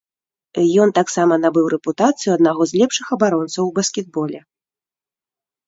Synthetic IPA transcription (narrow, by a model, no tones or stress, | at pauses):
jɔnt̪aksamɐnabɨwɾɛput̪at̪sɨjuɐd̪̚naɣɔzʲlʲɛpʂɨxɐbaɾɔnt̪sɐwbɐskʲɛd̪̚bɔlʲɛ